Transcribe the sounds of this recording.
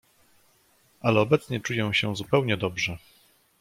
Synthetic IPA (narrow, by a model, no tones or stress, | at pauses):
ʔalɛɔbɛt̪sɲɛt͡ʂujɛ̃w̃ɕɛzupɛwɲɛd̪ɔbʐɛ